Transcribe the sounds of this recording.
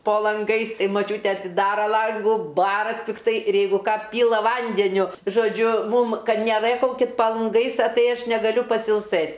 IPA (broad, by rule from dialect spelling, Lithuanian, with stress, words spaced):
poː lˠɐŋˈɡɐɪs ˈtɐɪ ˈmɑːˈt͡ʃʲuːtʲɛ ɐtʲɪˈdɑːrɐ ˈlˠɐŋɡuː ˈbɑːrɐsʲ pʲɪkˈtɐɪ ɪr ˈjɛɪɡʊ ˈkɑː ˈpʲiːlˠɐ ˈʋɐnʲdʲɛnʲʊ ʒoːˈd͡ʒʲʊ ˈmuːm ˈkɐt nʲɛˈrɘkɐʊkʲɪt pɐ lˠɐŋˈɡɐɪs ɐ ˈtɐɪ ˈɐʃ nʲɛɡɐˈlʲʊ pɐsʲɪlˠˈsɘtʲ